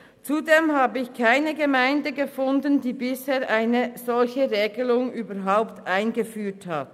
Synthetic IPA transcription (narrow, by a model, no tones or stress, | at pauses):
t͡sudeːmɦaːbəɪçkʰaɪnəɡəmaɪndəɡəfʊndəndiːbɪsheːɐʔaɪnəz̥ɔlçəʁeːɡəlʊŋyːbɐɾɦaʊptʔaɪnɡəfyːthat